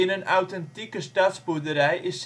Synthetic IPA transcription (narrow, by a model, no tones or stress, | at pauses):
ɪnənawtɛntikəstɑːtsbudəɾɛjʔɪs